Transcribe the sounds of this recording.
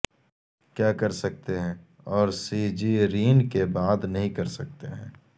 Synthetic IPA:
kjaːkɐɾsɐk̚t̪eɦɛ̃ː | ɔːɾsid͡ʒiɾiːnkebaːd̪nɐɦĩkɐɾsɐk̚t̪eɦɛ̰̃ː

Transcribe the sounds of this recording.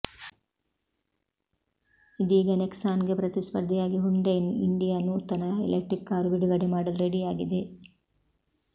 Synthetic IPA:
id̪iːɡɐneksaːnɡepɾɐt̪ispɐɾd̪ʱijaːɡiɦuɳɖejnḭɳɖijaːnːut̪ɐnɐḛlek̚ʈɾikːaːɾubiɖuɡɐɽemaːɽɐlɾeɽijaːɡid̪e̞

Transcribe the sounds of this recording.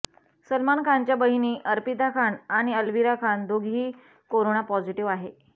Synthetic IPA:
səlmankʰant͡ɕjabəɦiniːʔəɾpit̪akʰanaɽ̃iəlʋiɾakʰand̪ʱoɡʱiː | koɾoɳapɔd͡ʑiʈiʋaɦe

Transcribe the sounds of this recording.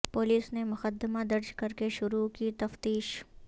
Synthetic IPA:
poːliːsnemʊxəd̪əmad̪ɐɾd͡ʒkɐɾkeʃʊɾukit̪ɐft̪iːʃ

